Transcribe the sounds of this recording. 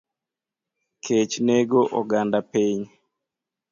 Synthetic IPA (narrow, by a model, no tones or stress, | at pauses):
kʰet͡ʃneɡoʔɔɡandapeɲ